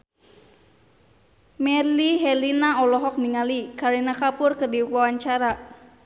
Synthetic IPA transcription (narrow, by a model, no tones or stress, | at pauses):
mɛliɦɛlinaɔlɔɦɔk̚niŋalikaɾinakapʊrkərdiwawaɲt͡ʃaɾa